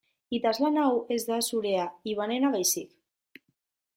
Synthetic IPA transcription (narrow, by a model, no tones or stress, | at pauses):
it̪azlanawezðasuɾeaiβanenaβajsik